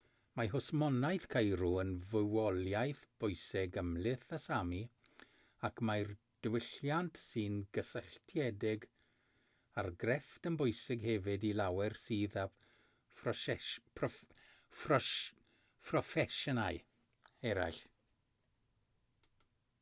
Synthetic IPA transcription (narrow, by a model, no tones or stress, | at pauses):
maɦʊsmɔnajθkʰajɾuənvəwɔlˠjajθb̥ʊjsɪɡəmlɪθasami | akʰmajr | d̥wɪɬjantʰsɨːnɡəsəɬtʰjɛdɪɡ | arɡrɛftənbʊjsɪɡɦɛvɨdilawɛrsiːða | pʰɔ | pʰrɔ | pʰrɔfɛʃɔnaɨ | ɛɾa̰jɬ